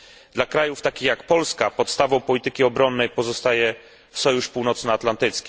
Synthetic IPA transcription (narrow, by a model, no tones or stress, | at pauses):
d̪lakɾajuft̪akʲixjakpɔlskapɔt̪st̪avɔ̃w̃pɔlʲit̪ɘkʲiɔbɾɔnːɛjpɔzɔst̪ajɛ | fsɔjuʂpuwnɔt̪snaat̪lant̪ɘt̪skʲi